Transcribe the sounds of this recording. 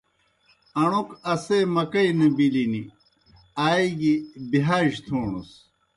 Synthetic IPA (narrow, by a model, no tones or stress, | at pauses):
ɐɳukɐsemɐkɐjnɐbilini | aːiɡibiɦaːɕt̪ʰuːɳṵs